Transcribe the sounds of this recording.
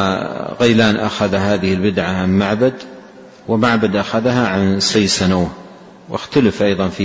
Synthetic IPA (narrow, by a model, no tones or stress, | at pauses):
ɣajlaːnʔa̰xaðahaːðɪhɪlbɪd̪ʕaʕamːaʕbad̪ | wɪmaʕbad̪ʔaxaðɦaʕansaːsanaː | wʔɪ̰xt̪alɪfʔɑjðˤɑnfi